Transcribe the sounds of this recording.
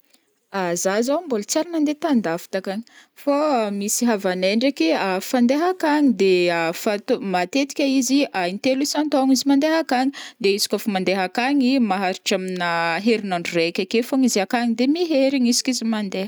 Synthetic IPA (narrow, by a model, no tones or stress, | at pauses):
azazawmbolut͡saɾanand̪et̪and̪afi̥t̪akaɲi̥famisiɦavaneɳɖ͡ʐekiafand̪eɦakaɲid̪eafat̪omat̪et̪i̥kʲaiziajnt̪elisant̪aŋizimand̪eɦakaŋid̪eisi̥kʲofamand̪eɦakaŋimaɦaɾiʈ͡ʂaminaɦeɾinaɳɖ͡ʐurekʲakefaŋizakaɲid̪emiɦeɾiɲisi̥kizimand̪e̥